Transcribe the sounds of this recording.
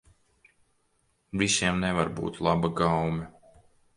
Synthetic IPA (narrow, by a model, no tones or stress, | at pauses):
visiɛmnɛvaɾbṵːt̪lˠabaɡawmʲɛ